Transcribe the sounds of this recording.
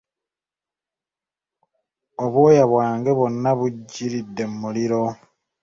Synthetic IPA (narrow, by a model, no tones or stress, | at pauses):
oβwoːjaβwaːŋɡeβonːaβuɟːiɾidːe̞mmuliɾo̞